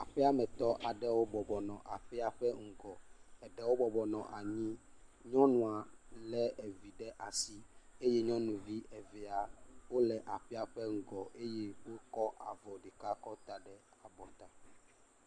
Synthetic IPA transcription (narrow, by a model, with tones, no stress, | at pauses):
a˨ɸɛ˦a˦mɛ̃˨t̪ɔ˦ʔa˨ɖɛ˦wo˦bɔ˨bɔ˨nɔ̃˨ʔa˨ɸɛ˦a˨ɸɛ˦ŋ̩˨ɡɔ˨ɛ˨ɖɛ˦wo˦bɔ˨bɔ˨nɔ̃˨ʔa˨ɲĩ˦ɲɔ̃˦nũ˨a˨lɛ˦ɛ˨vi˨ɖɛ˦ʔa˨si˦e˦je˦ɲɔ̃˦nũ˨vi˦ʔɛ˨vɛ˨a˨wo˦lɛ˨ʔa˨ɸɛ˦a˨ɸɛ˦ŋ̩˨ɡɔ˨ʔe˦je˦wo˦kɔ˦ʔa˨vɔ˨ɖe˨ka˦kɔ˦t̪a˨ɖɛ˦a˨bɔ˨t̪a˦